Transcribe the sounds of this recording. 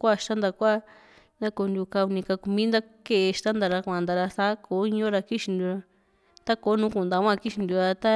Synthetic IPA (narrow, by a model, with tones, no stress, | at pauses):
kʷa˦˧˨ʃt̪a˦nd̪a˧kʷa˦˨ | nd̪a˦ko˧nd̪ʲu˧ka˧u˧nĩ˧ka˧ku˧mĩ˦nd̪a˦ke˦ʔe˧ʃt̪a˦nd̪a˧ɾa˧kʷã˧˨nd̪a˧ɾa˧θa˦ko˨˦i˦ɲõ˦ɾa˧ki˦ʃi˧nd̪u˧ɾa˧ | t̪a˦ko˨˦nũː˨˦kũ˧˨nd̪a˧kʷã˦˧ki˦ʃi˧nd̪u˧ɾa˧t̪a˦